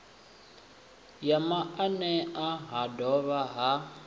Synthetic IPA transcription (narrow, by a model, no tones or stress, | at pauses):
jamaanɛaɦadɔβaɦa